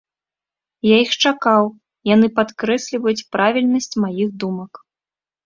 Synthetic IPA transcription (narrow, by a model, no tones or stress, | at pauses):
jaixt͡ʂakaw | janɨpat̪kɾɛsʲlʲivɐjut͡sʲpɾavʲilʲnɐsʲt͡sʲmajiɣd̪umɐk